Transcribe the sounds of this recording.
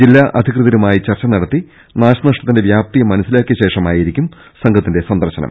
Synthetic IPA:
d͡ʑilːaːʔɐd̪ʱikrɨðɐɾumaːjit͡ɕɐrt͡ɕːɐnɐɽɐt̪ːi | naːɕɐnɐʂʈɐt̪ːinde̞ʋjaːp̚t̪ijɐmɐnɐsilaːkʲːjɐɕe̞ːʂɐmaːjiɾikʲːum | sɐŋɡʰɐt̪ːinde̞sɐnd̪ɐrɕɐnɐ̰m

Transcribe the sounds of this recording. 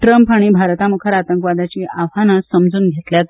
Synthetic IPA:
ʈɾəmpaɽ̃iːbʱaɾt̪amukʰəɾat̪əŋkʋad̪at͡ɕiːʔaʋɦanasəmd͡zuːnɡʱet̪ljat̪

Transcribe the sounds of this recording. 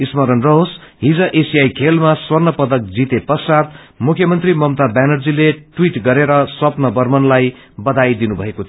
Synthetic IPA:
ismʌɾʌnrʌɦosɦid͡zʌʔesijajkʰelmaswʌrnʌpʌd̪ʌk̚d͡zit̪epʌsat̪ | mukʰjʌmʌnt̪rimʌmt̪abanʌrd͡zileʈwiʈɡʌɾeɾʌswʌpnʌbʌrmʌnlaj | bʌd̪ajd̪inubʱʌekot̪ʰi

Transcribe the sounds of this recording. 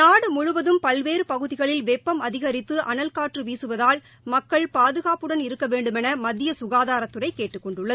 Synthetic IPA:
naːɽɯmʊɻʊʋɐðɯmpɐlʋeːɾɯpɐɣɯðɪɣɐɭɪlʋɛpːɐmɐðɪɣɐɾɪt̪ːɯʔɐ̰nɐlkaːʈrɯʋiːsɯʋɐðaːl | mɐkːɐɭpaːðɯɣaːpɯɽɐnɪɾɯkːɐʋeːɳɖɯmɛnɐmɐd̪ːɪjɐsʊɣaːðaːɾɐt̪ːɯrɐɪkːeːʈːɯkːɔɳɖɯɭːɐðɯ

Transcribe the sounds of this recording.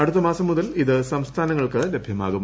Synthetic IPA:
ɐɽut̪̬ːɐmaːsɐmːuðɐliðɨsɐmst̪ʰaːnɐŋːɐɭkɨle̞bʱjɐmaːɣum

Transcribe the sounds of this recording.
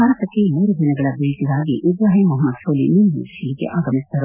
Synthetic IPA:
aːɾɐt̪ɐkːemuːɾud̪inɐɡɐɭɐbeɭt̪id̪aːɡiʔud̪ɾaːɦimɐɦɐmːɐd̪ʃʰoːlḭniːnɦṵːʃiːkḛʔaːɡɐnist̪ʰɐɾ

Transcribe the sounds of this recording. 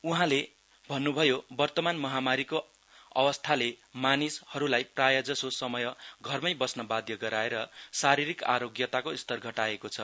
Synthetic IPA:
uɦãle | bʱʌnːubʱʌjobʌrt̪ʌmanmʌɦamaɾiko | ʌ̰wʌst̪ʰalemanishʌɾulajprajʌd͡zʌsosʌmʌjʌɡʱʌrmʌjbʌsnʌbad̪ʱjʌɡʌɾaeɾʌsaɾiɾika̰ɾoɡjʌt̪akoist̪ʌrɡʱʌʈaekot͡sʰʌ

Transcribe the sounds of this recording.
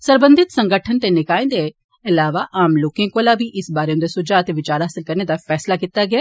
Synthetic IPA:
sɐɾbə̃nd̪ʱɪt̪sɐ̃ŋɡəʈʰənt̪enɪkaːẽnd̪e | ɐlaːʋaʔaːmloːkẽkolabʱiʔɪsbaːɾeʊ̃nd̪esʊd͡ʒaːt̪eʋɪt͡ʃaːɾɦaːsɪlkɐɾned̪afɛːslakit̪aɡɪjaː

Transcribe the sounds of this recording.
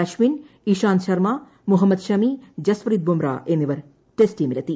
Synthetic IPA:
ɐʃmin | iʃaːnʃɐɾmaː | muɦɐmːɐd̪ʃɐmid͡ʒɐsʋɾid̪̚bumɾa̰ːʔenːiʋɐɾ | ʈesʈimilɐt̪i

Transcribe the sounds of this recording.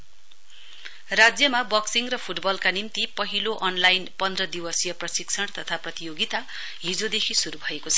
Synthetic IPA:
rad͡zjʌmabʌksiŋrʌpʰuʈbʌlkanimt̪ipʌɦiloʔʌnlajnpʌnd̪rʌd̪iwʌsjʌprʌsiksʰʌɽ̃t̪ʌt̪ʰaprʌt̪ijoɡit̪a | ɦid͡zod̪ekʰisuɾubʱʌekot͡sʰʌ̥

